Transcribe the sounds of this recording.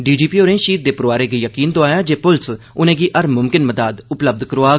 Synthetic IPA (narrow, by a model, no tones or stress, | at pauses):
ɖiːd͡ʒiːpiːoːɾẽːʃiːt̪̚d̪eːpʊɾoaːɾeːɡiːjəkiːnt̪õaːjaːd͡ʒeːpʊls | ʊnẽːɡiːʔəɾmʊmkɪnməd̪aːd̪ʊpləb̚d̪kəɾoaː